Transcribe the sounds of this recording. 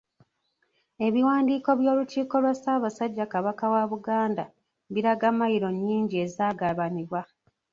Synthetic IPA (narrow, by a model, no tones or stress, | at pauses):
e̞βiwaːndiːko̞βjo̞ːluciːko̞lwasaːβasaɟːakaβakawaβuɡaːnda̰ | βiɾaɡamajiɾo̞ɲːiːɲɟie̞zaːɡaβaniβwa